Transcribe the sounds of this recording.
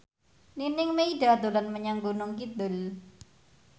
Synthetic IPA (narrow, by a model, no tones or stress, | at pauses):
ninɪŋmeiɖad̪olanməɲaŋɡunʊŋkid̪ʊl